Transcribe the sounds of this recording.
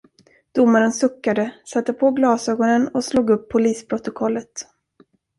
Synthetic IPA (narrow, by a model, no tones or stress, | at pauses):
d̪̥ʊmːaɾənsɵkːad̪əsat̪ːəpʰɔɡlɑːsøːɡɔnənɔsluːɡɵpʰːʊliːspʰɾʊt̪ʊkʰɔlːət̪